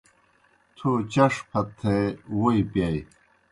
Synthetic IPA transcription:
t̪ʰot͡ɕɐʂpʰɐt̪ʰːewojpjaj

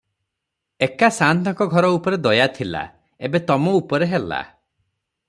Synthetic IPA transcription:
ekasant̪ɔŋkɔɡʱɔɾɔupɔɾed̪ɔjat̪ʰila̰ | ebet̪ɔmɔupɔɾeɦela̰

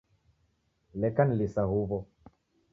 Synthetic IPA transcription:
lɛkanlisaɦuvɔ

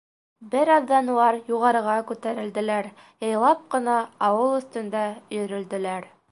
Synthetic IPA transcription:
bɘɾɑðːɑnulˠɑɾjuʁɑɾɤ̆ʁɑkʉt̪æɾɘ̆ld̪ɘ̆læɾ | jɤ̆jlˠɑp̚qɤ̆nɑːwɤlˠɵ̆θt̪ɵ̆nd̪æjɵ̆ɾɵ̆ld̪ɘ̆læɾ

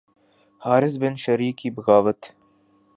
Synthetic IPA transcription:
hɑːɾɨsbɨnʃɛɾikiːbɨɣɑːvɨt̪

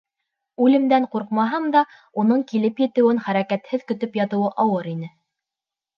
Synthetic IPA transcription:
ʉlɘ̆md̪æɴquɾqmɑɦɤmd̪ɑ | unɤɴkilɘpjɘ̆t̪ɘ̆wɘŋχæɾækæt̪hɘðkɵ̆t̪ɵpjɑt̪ɤ̆wɤʔɑwɤɾinɘ

